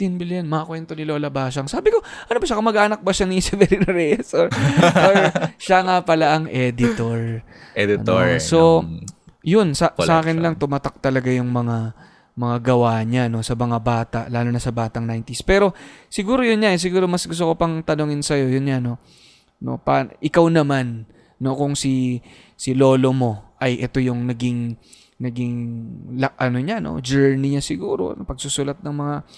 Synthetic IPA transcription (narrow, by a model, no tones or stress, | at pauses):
t̪inbɪljɐnmɐɐkwɛnt̪o̞nɪlo̞ːlɐbaːʃ̬ɐŋsaːbɪko̞ | ʔɐnobɐʃakɐmɐɡʔaːnɐk̚bɐʃanisɛvɛɾinɾɛsoɹoɹʃaŋapɐlaʔɐŋʔɛːd̪ɪt̪oɹ | ɛd̪̰nso | jʊnsasʔaːkɪnlɐŋt̪ʊmat̪ak̚t̪ɐlɐɡajʊŋmɐŋa | mɐŋaɡɐwaːɲano̞sɐmɐŋabaːt̪ɐ̰ʔlaːlonɐsɐbaːt̪ɐŋnajnt̪ispɛːɾo̞sɪɡuːɾojʊnɲaʔɛs̬ɪɡuːɾo̞mɐsɡʊs̬t̪oko̞pɐŋt̪ɐnoŋɪnsɐjo̞jʊnɲano̞ | no̞̰pa̰ʔɪkawnɐmanː | o̞kʊŋsi | sɪlo̞ːlo̞mo̞ʔɐjʔɛt̪o̞jʊŋnɐɡɪŋ | nɐɡɪŋlɐʔɐno̞ɲano̞̰d͡ʒɛɹnɪɲasɪɡuːɾo̞̰pɐɡ̚sʊsʊlɐt̪̚nɐŋmɐŋa